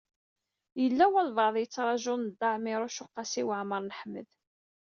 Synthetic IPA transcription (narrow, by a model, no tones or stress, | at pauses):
jəlːæwælvɑʕðˤjət͡sːɾˤɑʒʊnəd̪ːɑʕmɪɾˤʊʃʊqːɑsiwaʕməɾˤnəħmə̰ð